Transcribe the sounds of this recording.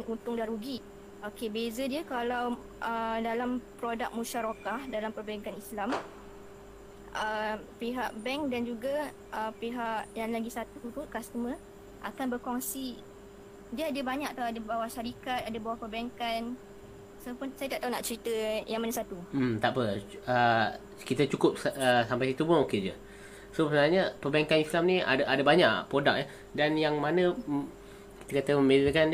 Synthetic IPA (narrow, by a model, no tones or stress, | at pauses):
nunt̪ʊŋdaɾuɡi | okebezədiəkalaw | ʔədalampɾodak̚muʃaɾokahdalampərbaaŋkanislam | ʔəpiɦaʔbɛŋk̚dand͡ʒuɡa | ʔəpeɦaʔjaŋlaɡisat̪ut̪ukast̪əmə̃ | ʔakanbərkɔŋsi | diəadəbaɲãkat̪aadabawaʃaɾikat̪̚adəbawahpəbajaŋkan | sapʊnsajat̪aʔ̚t̪aunaʔt͡ʃəɾit̪əjaŋmanəsat̪umt̪aʔpəə | kit̪ət͡ʃukʊp̚səsampajsit̪upʊnoked͡ʒə̰ | sosəbənaɲəpəbajaŋkanislamnĩa̰dʔadabaɲaʔpɾodak̚ja | danjaŋmanə̃ | ki̥t̪əkat̪əməmbeləkan